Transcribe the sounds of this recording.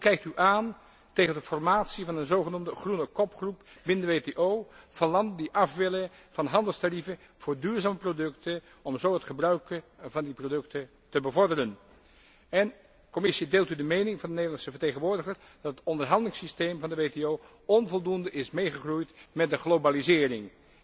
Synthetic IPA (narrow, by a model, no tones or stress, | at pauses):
ɦukɛjk̚tyʔaːn | tejχəndəfɔrmaːtsivɑnənzowχənuːmdəχrunəkɔpχrupbɪnəndəʋeteʔoːv̥ɑlɑndəndiʔɑfʋɪlə | v̥ɑnɦɑndəlˠstarivə | v̥ʊːɹdyːɹzaːməprodɵktə | ɔmzowɦətχəbrœɥkəvɑndiprodɵktə | təbəvɔɹdərən | ɛn | kɔmɪsideːlˠtydəmejnɪŋvɑndənejdəlˠɑnsəvəɹtejχənʋʊːɹdəχər | d̥ɑtətɔndəɹɦɑndəlɪŋsistejmvɑndəʋeteow | ɔnvɔlˠdundəʔɪsmejχəχrujtmɛt̚dəχlobalizɪːrɪŋ